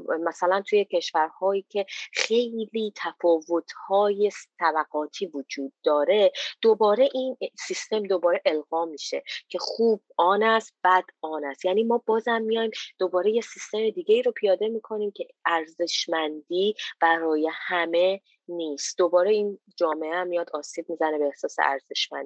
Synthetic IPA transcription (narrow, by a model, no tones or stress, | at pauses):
mæsælænt̪ʰuje̞cʰe̞ʃvæɾhɒːiːcʰe̞χe̞jliːt̪ʰæfɒːvo̞t̪ʰhɒːje̞st̪ʰæbæɡɒːt̪ʰiːvod͡ʒuːd̪̚ːɒːɾe̞d̪̥o̞bɒːɾe̞ʔinsist̪e̞md̪o̞bɒːɾe̞ʔe̞lɣɒːmiʃe̞̰cʰe̞χuːb̥̚ɒːnæst̪̚b̥æd̪̥ɒːnæst̪jæːniːmɒːbɒːzæmːijɒːjmd̪̥o̞bɒːɾe̞je̞sist̪e̞me̞d̪iːɟe̞iːɾo̞pʰijɒːd̪e̞miːkʰo̞niːmcʰe̞æɾze̞ʃmænd̪iːb̥æɾɒːje̞hæme̞ | niːst̪d̪o̞bɒːɾe̞iːn | d͡ʒɒːme̞ʔeæmːijɒd̪ɒːsiːb̚miːzæne̞beːhsɒːse̞̰ʔæ̰ɾzeʃmæ̰nd̪i